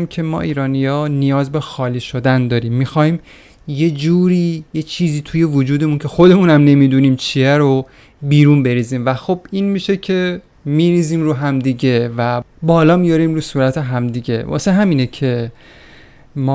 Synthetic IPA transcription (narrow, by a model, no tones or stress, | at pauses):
mcʰe̞mɒ̰ːʔiːɾɒːnijɒːnijɒːzbexɒːliːʃo̞d̪ænd̪ɒːɾiːmːixɒːhiːm | je̞d͡ʒuːɾiːje̞t͡ʃʰiːziːt̪ʰuje̞vod͡ʒuːd̪e̞muncʰe̞xo̞d̪e̞munæmne̞miːd̪uːniːmt͡ʃʰiæɾo | biːɾunbe̞ɾiːziːmvæxobinmiːʃe̞cʰe̞ | miɾiːziːmɾuːɦæmd̪iɟe̞væ | bɒːlɒːmijɒɾiːmɾuːsuːɾæt̪ʰe̞ɦæmd̪iːɟe̞vɒ̰seɦæmiːnecʰe̞ | mː